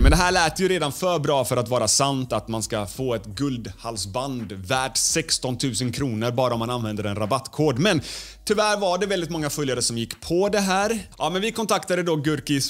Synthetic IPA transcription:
mɛnd̪ɛɦæːɭæːt̪əjɵɾeːd̪anfœɾbɾɑːfœɾat̪vɑːɾasant̪at̪manskafoːɛt̪ɡɵld̪halsband̪væːɖsɛkst̪ɔnt̪ʰʉ̟ːsənkʰɾuːnəɾbɑːɾaɔmːananvɛnd̪əɾɛnɾabat̪ːkʰoːɖmɛnt̪ʰʏvæːɾvaɖɛvɛld̪ɪt̪mɔŋːafœljaɾəsɔmjɪkːpʰɔd̪ɛɦæːɾʔɑːmɛnvɪkʰɔnt̪ʰakt̪ad̪əd̪ɔɡɵɾkɪs

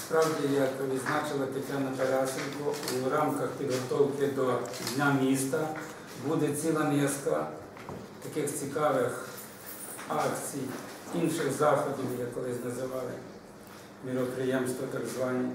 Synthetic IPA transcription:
spɾɑwdʲijɐkʋʲid̪znɑt͡ʃɪlˠɐt̪ɐtʲanɐp̪ɐɾʲasɪnkɔɾɑmkɐxpʲid̪ɦɔt̪ɔwkɪd̪ɔd̪ʲnʲamʲist̪ɐ | bud̪ɛt͡sʲilˠɐnʲɛskɐ | t̪ɐkɪxt͡sʲikɑʋɪx | ɑkt͡sʲij | inʃɪxzɑxɔd̪ʲimjɐkːɔlˠɪsʲnɐzɪʋɑlˠɪ̰ | mʲiɾɔpɾɪjɛmst̪ʋɔt̪ɐɡzʋɑnʲi

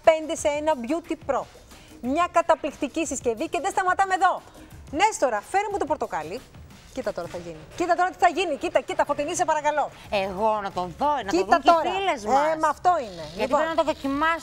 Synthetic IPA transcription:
pe̞nd̪e̞seenɐbʝut̪ipɾo̞ | mɲɐkɐt̪ɐplikt̪icisisce̞viceðest̪ɐmɐt̪ɐmeðo̞ | ne̞st̪o̞ɾɐfe̞ɾimut̪opoɾt̪o̞kɐli | cit̪ɐt̪o̞ɾɐθɐʝinicit̪ɐt̪o̞ɾɐt̪i̥θɐʝinicit̪ɐcit̪ɐfot̪inisepɐɾɐkɐlo̞ | eɣo̞nɐt̪onðonɐtitðɐt̪oɾɐilezmemɐːft̪o̞ineliɐt̪ionɐt̪oðocimɐs

